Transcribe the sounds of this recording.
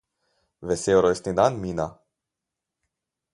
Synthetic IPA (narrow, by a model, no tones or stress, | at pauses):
vesewɾojst̪nid̪anmina